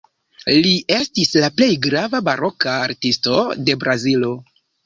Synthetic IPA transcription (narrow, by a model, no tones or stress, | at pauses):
liʔe̞stislaple̞jɡɾavabaɾo̞kaːɾtisto̞de̞bɾʔazilo̞